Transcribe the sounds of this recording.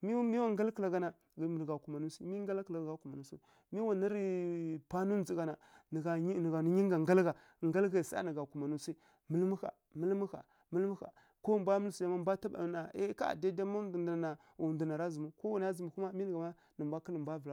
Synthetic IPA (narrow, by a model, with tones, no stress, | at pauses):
mi˦mi˦wa˦ŋɡa˦lkə˨la˨ɡa˨na˨ | ɡm˨ɡa˨ku˨ma˨nu˦si˦mi˦ŋɡa˦lkla˨ɡɡa˨ku˨ma˨nu˦su˦˨˦ | mi˦wa˨na˦ɾi˦pa˦nu˦n˦d͡zi˨ɡa˨na˨ɡa˨˦n˨ɡa˨n˦ɲi˦ŋɡa˨ŋɡa˦lɡa˨ | ŋɡa˦lɡa˨sa̰˦nə˨ɡa˨ku˨ma˨nu˦si˦ | mə˦lmu˦xa̰˨ | mə˦lmu˦xa̰˨ | mə˦lmu˦xa̰˨ | ko˦m˨bʷa˦mə˦lsu˨a˨ma˦m˦bʷa˦ta˦ba̰˨na˨e˦ka̰˦˨da˦da˦ma˦dn˨dna˨na˨ | u˨ndu˨na˨ɾa˦zu˨mu˦ko˦wa˨n˦a˦zi˨mu˨ku˦ma˦mi˦nə˨ɡa˨ma˦ | nə˨m˨bʷa˦ki˦lə˨mbʷa˦və˨la˨